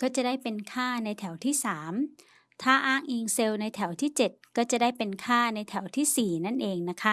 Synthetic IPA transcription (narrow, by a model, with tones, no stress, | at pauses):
kɔː˥˩t͡ɕa˨˩daː˥˩jpe˧nkʰaː˥˩na˧jt̪ʰɛ˩˦wt̪ʰiː˥˩saː˩˦m | t̪ʰaː˥˩ʔaː˥˩ŋʔiː˧ŋse˧wna˧jt̪ʰɛ˩˦wt̪ʰiː˥˩t͡ɕe˨˩t̪̚kɔː˥˩t͡ɕa˨˩daː˥˩jpe˧nkʰaː˥˩na˧jt̪ʰɛ˩˦wt̪ʰiː˥˩siː˨˩na˥˩nʔeː˧ŋna˦˥kʰa˦˥